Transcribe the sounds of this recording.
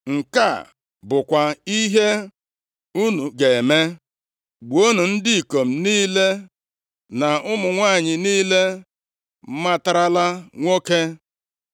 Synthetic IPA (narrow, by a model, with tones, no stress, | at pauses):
ŋ̩˨ka̰˦˨ | bʊ˨kʷa˨i˦ɦe˦ | u˦nu˨ɡe˨e˨me˦ | ɡ͡bo˦nu˨n̩˦dɪ˦i˨ko˨m̩˨niː˦le˦ | na˨ʊ˦mʊ˨ŋʷaː˦˨ɲɪ˨niː˦le˦ | m̩˦ma˦ta˦ɾa˦la˦ŋʷo˦ke˦